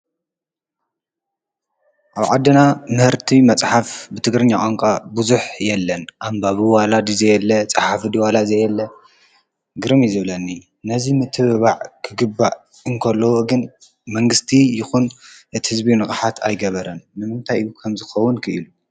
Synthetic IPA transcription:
ʔaβʕad̪ːɨnamɨhɨɾt̪ʰimɐt͡sʼħafbɨt̪ʰɨɡɾɨɲːaʔʼaŋkʼabuzuħjɛlːɐnʔambaβɨwalad̪izɐjɛlːɐt͡sʼaħafɨd̪iwalazɐjɛlːɐ | ɡɨɾɨmizɨβlɐnːi | nɐzimɨt̪ʰɨββaʕkʰɨɡɨbːaʔ | ɨŋkʰɐlːowoɡɨn | mɐŋɡɨst̪ʰijɪxunʔɨt̪i̥hɨzbinɨxʼħat̪ʰa̰jɡɐβɐɾɐnːɨmɨnt̪ʰajjukʰɐmzɨxɐwʊnkʰɨʔilu

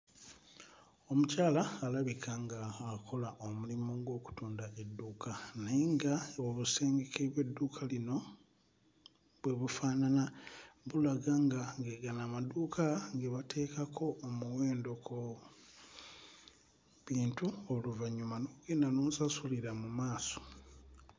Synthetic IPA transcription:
o̞mucaːlaːlaβikʰaŋɡaːko̞laʔomulimoŋɡo̞ːku̥tuːndae̞dːuːkʰaneiŋɡaoβuse̞ːŋɡekʰeβwe̞dːuːkʰalino̞ | βwe̞βufaːnanaβulaɡaŋɡaŋɡeɡanamaduːkʰaŋɡeβatʰe̞ːkakʰo̞ːmuweːndo̞ko | βiːntuoluvaɲːumanoɡendanoːsasuliɾamumaːso̞̥

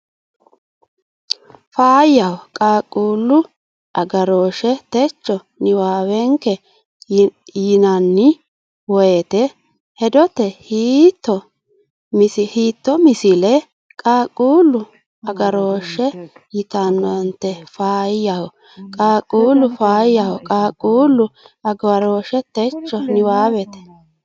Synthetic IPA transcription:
faːjɐhɔkʼaːkʼːuːlːʊ | ʔɐɡɐɾoːʃɛt̪ɛt͡ʃːɔ | nɪwaːwɛŋkːɛ | jɪnɐnːɪ | wɔɛt̪ɛ | hɛd̪ɔt̪ːɛhiːt̪ːɔ | mɪsɪhiːt̪ːɔmɪsɪlɛ | kʼaːkʼːuːlːʊ | ɐɡɐɾoːʃɛjɪt̪anːɔnt̪ːɛfaːjjahɔ | kʼaːkʼːuːlːʊfaːjɐhɔkʼaːkʼːuːlːʊɐɡɐɾoːʃɛt̪ɛt͡ʃːɔnɪwaːwɛt̪ɛ̥

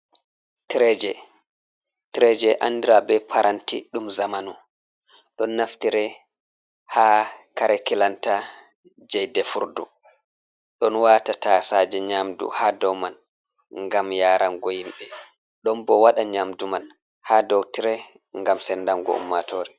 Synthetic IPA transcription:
tɾɛd͡ʒɛ | tɾɛd͡ʒɛʔa̰ndiɾabɛpʰaɾʔantḭɗumzamanu | ɗɔnːaftiɾɛ | hakaɾɛkilanta | d͡ʒɛjdɛfuɾdṵ | ɗɔnwatatasad͡ʒɛɲamdṵhaːdɔwman | ŋɡamjaːɾʔanɡɔhimɓɛ | ɗɔnbɔwaɗaɲamduman | haːdɔwtiɾɛ | ŋɡamsɛndanɡɔ̰ṵmːatoːɾɛ

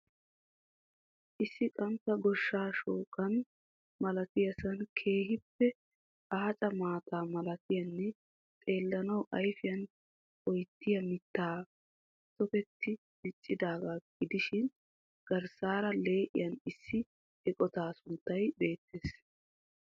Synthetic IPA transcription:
ʔɪsːɪkʼɐmpːɐɡɔʃːaːʃoːkʼɐn | mɐlɐt̪ɪjɐsɐnkʰe̞ːhɪpːɛ | ʔaːt͡ʃʼɐmaːt̪ʰaːmɐlɐt̪ɪjɐnːɛ | t̪ʼe̞ːlːɐnɐwʔɐjfɪjɐn | ɔjt̪ːɪjɐmɪt̪ːaː | sɔfɛt̪ːɪ | mɪt͡ʃʼːɪd̪aːɡaːɡ̥ɪd̪ɪʃɪn | ɡ̥ɐɾsaːɾɐle̞ːʔɪ̰jɐnɪsːɪ | ɛkʼɔt̪aːsʊnt̪ːɐjbe̞ːt̪ːeːs

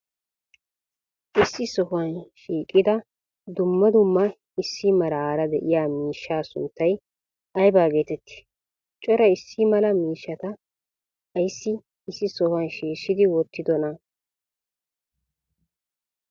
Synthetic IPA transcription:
ʔɪsːɪsɔhʊɐnʃiːkʼːɪd̪ɐ | d̪ʊmːɐd̪ʊmːɐ | ɪsːɪmɐlaːɾɐd̪ɛ̰ʔɪjaːmiːʃːaːsʊ̰nt̪ːɐj | ɐjbaːɡe̞ːt̪ɛt̪ːɪ̥ | t͡ʃʼɔɾɐɪsːɪmɐlɐmiːʃːɐt̪ɐː | jsːɪː | sːɪsɔhʊɐnʃiːʃːɪd̪ɪwɔt̪ːɪd̪ɔnɐ

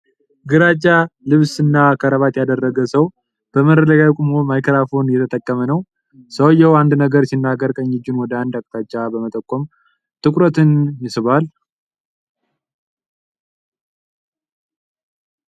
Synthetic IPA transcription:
ɡɨɾat͡ʃʼːalɨβsɨnːakʰəɾəβat̪jad̪ərːəɡəsəw | b̥əməələɡakʼumomajkʰəɾafonjɛt̪ʰət̪ʼəkʼːəmənəw | səwjɛwand̪nəɡəɾsinːaɡəɾkʼəɲːɪd͡ʒːunwɔd̪əand̪akʼt̪ʰat͡ʃʼːabəmət̪ʼəkʼːom | t̪ʰʼɨkʼɾət̪ɨnjɪsɨβal

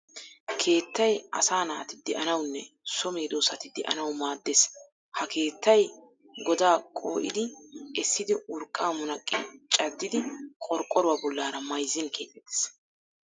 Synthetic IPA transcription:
kʰe̞ːt̪ːɐjɐ̰saːnɐːt̪ɪd̪ɛʔɐnɐwnːɛ | sɔmeːd̪oːsɐt̪ɪd̪ɛʔɐ̰nɐwmaːd̪ːes | hɐkʰe̞ːt̪ːɐj | ɡɔd̪aːkʼo̰ːʔɪ̰d̪ɪɛsːɪd̪ɪʔʊɾkʼːaːmɔnɐkʼːɪ̰t͡ʃʼɐd̪ːɪd̪ɪkʼɔɾkʼɔɾʊwabɔlːaːɾɐmɐjzːɪnkʰḛːt̪ʼːɛt̪ːɛ̥s

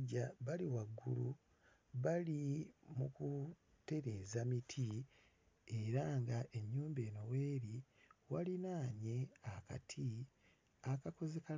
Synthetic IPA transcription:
ɟaβaliwaɡːṵlu | βalimuku | te̞ɾe̞ːzamitʰi | eɾaŋɡaʔe̞ɲːuːmbe̞ːno̞weːɾi | walinaːɲe̞aka̰tʰi | akako̞ze̞ka

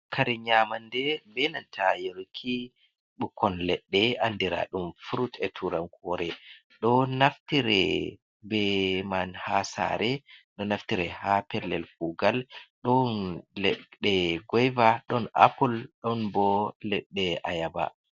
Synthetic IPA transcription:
kʰaɾiɲamandɛbɛnantʰajeɾukʰi | ɓukʰɔnlɛɗːɛandiɾa̰ɗumfuɾutɛtʰuɾankɔɾɛ | ɗɔnaftiɾɛ̰ | bɛmanhasa̰ɾɛɗɔnaftiɾɛhapɛlɛlkuɡalɗɔnlɛɗɛɡɔjvaɗɔna̰pulɗɔnbɔlɛɗːɛajaba̰

